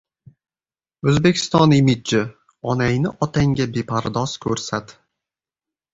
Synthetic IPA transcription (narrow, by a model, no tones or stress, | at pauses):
ɵzbe̞kʲʰɪ̥st̪ɒnɪmɪt͡ʃːɪ | ɒnajnɪʔɒt̪ʰaŋɡʲabepʰaɾd̪ɒz̥kʰɵɾsat̪